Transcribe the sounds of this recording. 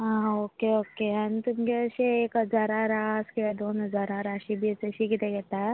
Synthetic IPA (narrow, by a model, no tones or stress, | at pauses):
ɦãːoːkeoːkeɦɐnt̪ʊmkeɐʃeeːkɦɐzaːɾaɾaːskeɛd̪oːnɦɐzaːɾaɾaːʃibʱiɐt͡ʃɐʃikit̪ẽkɛt̪aɦɛ